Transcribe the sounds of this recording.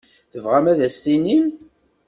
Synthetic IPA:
θəvʁæmæðæsːinin

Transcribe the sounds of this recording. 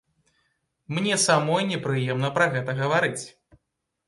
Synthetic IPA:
mnʲɛsamɔjnʲɛpɾɨjɛmnɐpɾɐɣɛt̪ɐɣɐvaɾɨt͡sʲ

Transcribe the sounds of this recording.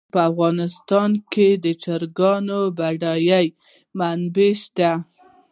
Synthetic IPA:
pəafɣɑnɪst̪ɑnked̪ət͡ʃaɾɡɑnobaɖɑjaj | manbeʃt̪a

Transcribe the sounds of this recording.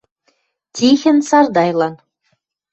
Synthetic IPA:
t̪ʲixʲɘ̆nsɑrd̪ɑjlˠɑn

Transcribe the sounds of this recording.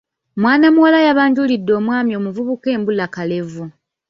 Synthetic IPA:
mwaːnamuwalajaβaːɲɟulidːo̞ːmwaːmjo̞ːmuvuβuke̞ːmbulakale̞vu

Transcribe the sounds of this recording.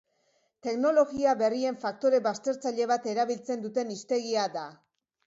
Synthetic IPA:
t̪e̞kno̞lo̞ɣiaβe̞rie̞ɱfak̚t̪o̞ɾe̞βast̪e̞ɾt͡saʎe̞β̞at̪e̞ɾaβ̞ilt͡se̞nd̪ut̪e̞nist̪e̞ɣiad̪a

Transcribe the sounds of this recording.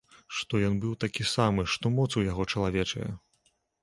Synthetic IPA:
ʂt̪ɔjɔnbɨwt̪akʲisamɨʂt̪ɔmɔt̪sujaɣɔt͡ʂɐlˠavʲɛt͡ʂɐ̰jɛ̰

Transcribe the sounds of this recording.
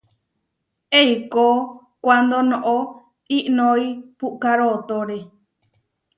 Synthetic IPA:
eiko | kʷand̪onõʔo | iʔnõipuʔkaɾot̪oɾe

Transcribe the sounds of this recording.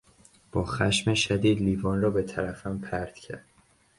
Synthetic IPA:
b̥ɒːxæ̰ʃmeʃæd̪iːd̪liːvɒːnrɒːbe̞t̪ʰæɾæfæmpʰæɾd̪̥cʰæ̰ɾd̪̥

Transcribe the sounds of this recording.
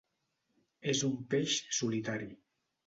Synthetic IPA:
ezumpeʃsulit̪aɾi

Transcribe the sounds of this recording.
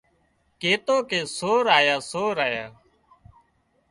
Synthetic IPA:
keːt̪oːkeːsoːɾaːjaːsoːɾaːjaː

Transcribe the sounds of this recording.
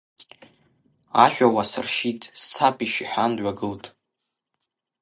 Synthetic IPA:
a̰ʃʷᶣawasɨ̰rʃitʼst͡sʰapʰʼiʃiħandʕʷaɡɨltʼ

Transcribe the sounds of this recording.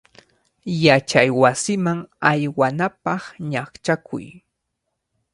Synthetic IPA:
jat͡ʃajwasɪmaŋajwanapɑχɲakt͡ʃakʰʊ̰j

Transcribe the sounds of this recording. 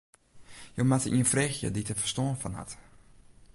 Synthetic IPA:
jomatəʔiənfrexjə̰ditəfərstoənfɔnha̰t

